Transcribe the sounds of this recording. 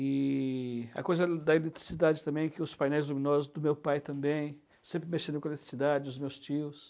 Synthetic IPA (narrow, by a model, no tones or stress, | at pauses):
ɪ | ɐ̰kojzɐd̪ɐelet̪ɾi̥sid̪ad͡ʒɪt̪ɐ̃bẽj̃ɛkɪʊspajnɛjzlumĩnɔzʊzd̪ʊmewpajt̪ɐ̃mbẽj̃ | sẽmpɾɪmeʃẽd̪ʊ̃kelet̪ɾi̥sid̪ad͡ʒɪʊzmewst͡ʃiʊs